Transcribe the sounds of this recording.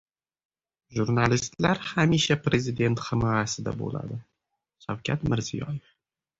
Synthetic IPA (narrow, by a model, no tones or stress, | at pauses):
ʒuɾnalist̪laɾhamiʃapɾe̞zɪd̪e̞nt̪χɪmɒjasɪd̪a̰bo̰la̰d̪ɪ | ʃawkʲʰat̪mɪɾzijɒ̰jef